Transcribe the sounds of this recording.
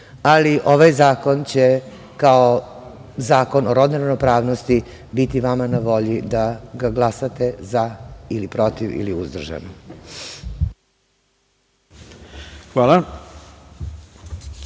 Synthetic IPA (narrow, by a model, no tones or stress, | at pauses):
aliʔo̞ʋajzaːko̞nt͡ɕe | kao | zaːko̞noɾod̪naɾnopɾaːʋnost̪i | bit̪iʋamanaʋo̞ʎid̪aɡaɡlˠasat̪e̞zailipɾo̞t̪iʋḭliuzd̪r̩ʒa̰no | xʋaːlˠa